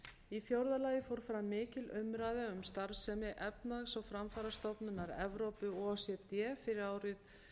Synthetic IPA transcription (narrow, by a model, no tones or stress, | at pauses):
ifjowɾðalaːjɪfowɾ̥fɾamɪːcɪlʏmɾaːðaʏmst̪aɾsɛmɪʔɛpnaɣsɔɣfɾamfaːɾast̪ɔpnʏnaɾɛ̰vɾowpʏɔsjɛt̪jɛfɪɾɪɾaːwɾɪθ